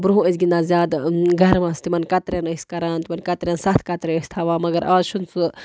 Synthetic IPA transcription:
bɾuɦũəsɡinaːzʲjaːd̪ɡʱɐɾmɐ̃st̪imɐnkɐt̪ɾenɐsʲkɐɾaːnt̪imɐnʲkɐt̪ɾʲeːnsɐt̪ʰkɐt̪ɾeəsʲt̪ʰɐʋaːmɐɡɐɾʔaːzʃunsu

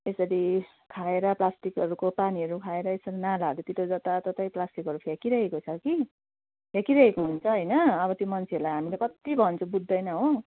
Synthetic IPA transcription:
esʌɾi | kʰaeɾʌplasʈikʌɾukopaniʌɾukʰaeɾʌesʌɾinalad̪ot̪it̪od͡zʌt̪at̪ʌt̪ʌjplasʈikɦʌɾupʰekiɾʌɦekot͡sʰʌki | pʰjekiɾʌɦekoɦunt͡sʰʌɦʌjnʌːbʌt̪jomʌnt͡sʰeʌɾlajɦamilakʌt̪ibʱʌnt͡sʰubud̪ʱːʌjnʌɦõ

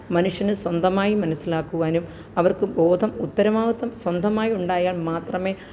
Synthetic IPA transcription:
mɐnuʂjɐnɨswɐnd̪ʱɐmaːjimɐnɐsːilaːkːuɣaːnum | ɐʋɐrkɨbo̞ːd̪ʱɐmut̪ːɐɾɐmaːʋɐt̪ːɐmswɐnd̪ʱɐmaːjiuɳɖaːjaːlmaːt̪rɐme̞ː

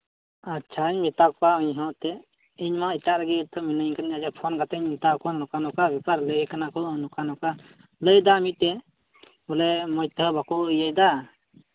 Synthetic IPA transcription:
atːt͡ʃʰaiɲmit̪akpauɲɦɔ̃ʔt̪ɛ | iɲmait̪aʔɾaɡit̪ʰːəminəŋkanad͡ʒɛpʰɔnkat̪əɲmit̪akɔnlɔkanɔkabipaɾləkanakɔnukanɔka | ləjd̪amit̪ɛ | bɔlɛmɔjt̪əbakɔəjajd̪a

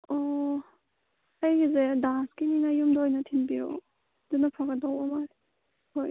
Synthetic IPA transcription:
ɔ | ajɡizedaskininajumdɔːjnatʰinbiɾɔ̰ | dɯnapʰaɡadawɔmaɾ | hoj

